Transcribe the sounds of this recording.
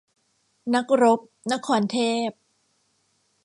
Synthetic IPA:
na˦˥k̚ɾo˦˥p̚na˦˥kʰːɔː˧˩nt̪ʰeː˥˩p̚

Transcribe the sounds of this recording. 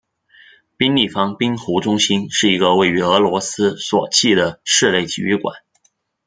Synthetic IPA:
pi˥nli˥˩fɑ˥ŋpi˥ŋxu˧˥ʈ͡ʂʊ˥ŋɕi˥nʂɻ̩˥˩i˧˥ɡə˧we˥˩ɪy˧˥ɤ˧˥lwɔ˧˥sɹ̩˥swɔ˨˩t͡ɕʰi˥˩d̪ə˩ʂɻ̩˥˧le˥˩ɪt͡ɕḭ˨˩y˧˥kwa̰˨˩˦n

